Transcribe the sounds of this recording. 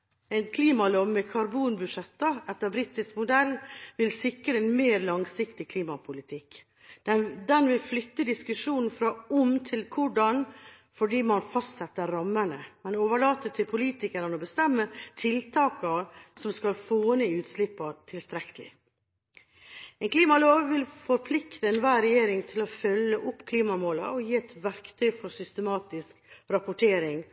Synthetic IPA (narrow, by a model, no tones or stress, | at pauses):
ɛɪnkʰliːmɑlɔmmɛkʰɑɾbuːnbʉʂɛt̪ːɑɛt̪ːəbɾit̪ɪskmʊd̪ɛlːʋɪlsɪkːɾəɛnmeːɾlɑŋsɪkt̪ɪkʰliːmɑpʰʊlɪt̪ʰɪk | d̪ɛd̪ɛnʋɪlflʏt̪ːəd̪ɪskʉʂuːnn̩fɾɑːʊmt̪ʰɪlkʰʊɖɑn | fɔɖiːmɑnfɑst̪sɛt̪ːəɾɑmːənəmɛnoːʋəɭɑːt̪ət̪ʰːɪlpʰʊliːt̪ɪkəɳənɔbəst̪ɛmːət̪ʰɪlt̪ʰɑːkɑsɔmskɑlfoːneʉːt̪slɪpːɑt̪ʰɪlst̪ɾɛk̪əlɪ̰ | ɛnkʰliːmɑloːʋʋɪlfɔɾpʰlɪkt̪əɛnʋæːɾɾɛjeːɾɪŋt̪ʰɪlɔfœljːəʔʊpːkʰliːmɑmoːlɑ̰ɔjiːɛt̪ʋæɾkt̪ʰœʏfɔsʏst̪əmɑːt̪ɪskɾɑpʊʈʰeːɾɪŋ